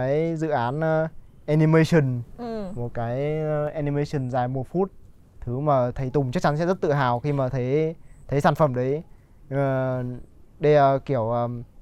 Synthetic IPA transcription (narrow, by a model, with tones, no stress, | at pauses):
aː˨˦jzɨ̰˧˨ʔaː˨˦nː˨˧ʔɛ˧ni˧mə˧jsə˨˩nmo˨˩t̚kaː˨˦jʔɛ˧ni˧mə˧jsə˨˩nzaː˨˩jmo˨˩t̚fu˦˥t̚ | t̪ʰɨ˨˦maː˨˩t̪ʰə˨˦jt̪ʊ˨˩ŋ͡mt͡ɕk̚t͡ɕa˨˦nsɛ̰˧˥zə˦˥t̚t̪ɨ̰˧˨ɦaː˨˩wxi˧maː˨˩t̪ʰe˨˦jt̪ʰə˨˦jsaː˧˩nfə˧˩mɗə˨˦j | ɗə˧jəː˨˧˩ki˧˩əwʔəː˨˧˩